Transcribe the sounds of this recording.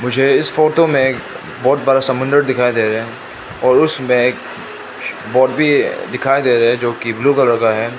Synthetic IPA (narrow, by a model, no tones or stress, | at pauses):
mʊd͡ʒʱeɪsfoːʈomẽk | bɔːt̪̚bəɾasɐmʊ̃nd̪əɾd̪ɪkʰaːid̪eːɾɦɛ̃ | ɔːɾʊsmẽːk | bɔːʈbʱid̪ɪkʰaːid̪eːɾɐɦɛ̃d͡ʒoːkibluːkɐlɾɐɡaɦɛː